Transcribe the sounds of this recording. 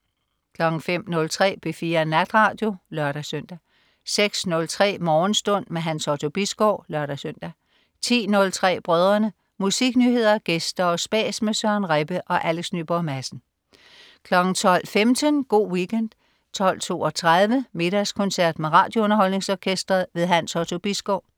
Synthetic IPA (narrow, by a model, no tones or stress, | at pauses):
kʰlɒ̽ɡ̥ŋ̩fem̰nɔ̽lt͡sʰʁɛ̰ːb̥ʰefiːɐnæd̥ʁɑ̈ːd̥jo̝lɶɐɾ̥æsøn̰d̥æ | seɡ̥snɔ̽lt͡sʰʁɛ̰ːmɒːn̩sd̥ɔ̽n̰meɦænsɒt͡sʰo̝b̥isɡ̥ɒʊ̰lɶɐɾ̥æsøn̰d̥æ | t͡sʰḭːnɔ̽lt͡sʰʁɛ̰ːb̥ʁœːð̞ˠɐnə | musiɡ̥nyhe̝ð̞̰ˠɐɡ̥esd̥ɐɒ̽sb̥ɛ̰ːsmesɶɐnʁɛb̥əʔɒ̽ʔæleɡ̥sny̰ːb̥ɒmæsn̩ | kʰlɒ̽ɡ̥n̩t͡sʰɒ̽l̰femd̥ənɡ̥o̝̰ːwiɡʰend̥ | t͡sʰɒ̽l̰t͡sʰo̝̰ːɒt͡sʰʁað̞ˠʋəme̝ɾ̥æskʰɔ̽nsæɐ̰d̥meʁɑ̈ːd̥joɔ̽nɐɦɒ̽l̰ne̝ŋsɒːkʰesd̥ʁɐðˠʋe̝ðˠɦænsɒt͡sʰo̝b̥isɡ̥ɒʊ̰